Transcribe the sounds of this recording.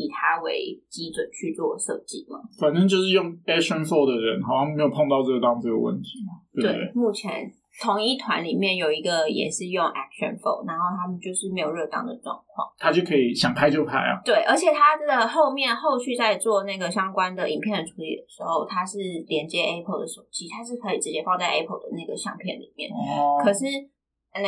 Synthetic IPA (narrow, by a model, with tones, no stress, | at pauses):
i˨˩t̪ʰa˥wḛ˧˥ɪt͡ɕi˥t͡swə˨˩nt͡ɕʰy˥˧t͡swɔ˥˨ʂɤ̰˥˧t͡ɕḭ˥˩mɐ̰˩fa˨˩nə˥ŋt͡ɕjo˥˧ʊʂɻ̩˥˩jo˥˩ŋɛ˥kʂə˥˧nfo˥˩ʊd̪ə˩ɻə˧˦nxɑ˨˩ʊɕjɑ˥ŋme˧˥jo˨˩pʰɑ˥˧ŋt̪ɑ˥˧ʊʈ͡ʂɤ˥˩ɡə˩t̪ɑ˥t͡sɤ˥˩ɡə̰˩wə̰˥˩nt̪ʰi̥˨˥˦mɐ˦˥˧we˥˩ɪḛ˥˩mu˥˩t͡ɕʰjɛ̰˧˥n | t̪ʰʊ˧˥ŋi˥˩t̪ʰwa˧˦˥nli˨˩mjɛ˥˩njo˨˩ʊi˧˥ɡə˧jɛ̰˨˩ʂɻ̩˥˧jʊ˥˧ŋʔæ˥k̚ʂə̰˨˩nfo̰˥˩ʊna˧˥nxo˥˩ʊt̪ʰa˥mə˨nt͡ɕjo˥˧ʊʂɻ̩˥˩me˥ɪjo˨˩ʊɻɤ˥˧t̪ɑ̰˥˩ŋd̪ə˩ʈ͡ʂwɑ̰˥˧ŋkʰwɑ̰˥˩ŋt̪ʰa˥t͡ɕjo˥˩ʊkʰɤ˧˥i˨˩ɕjɑ˨˩ŋpʰa˥ɪt͡ɕjo˥˧ʊpʰa˥˩ɪɐ̰˩t̪we˥˩ɪʔə˞˧˥t͡ɕʰjɛ˨˩t̪ʰa˥ə˩xo˥˧ʊmjɛ˥˧nxo˥˧ʊɕy˥˧t͡sa˥˧ɪt͡swɔ˥˧na˥˩ɡə˩ɕjɑ˥ŋkwa˥nd̪ə˨ʔḭ˨˩ŋpʰjɛ˥˩nd̪ə˩ʈ͡ʂʰu˧˥lḭ˨˩d̪ə˩ʂɻ̩˧˥xo˥˩ʊt̪ʰa˥ʂɻ̩˥˩ljɛ˧˥nt͡ɕjɛ˧˥ʔɛ˥pʰə˧˩ʊd̪ə˩ʂo˨˩t͡ɕi˥t̪ʰa˥ʂ̬ɻ̩˥˩kʰɤ˧˥i˨˩ʈ͡ʂɻ̩˧˥t͡ɕjɛ˥fɑ˥˧ŋt͡sa˥˩ɪa˥pʰə˧˥˩d̪ə˩na˥˩ɡə˩ɕjɑ̰˥˧ŋpʰjɛ˥˩nlḭ˨˩mjɛ̰˥˩nkʰɤ˨˩ʂɻ̩˥˩˥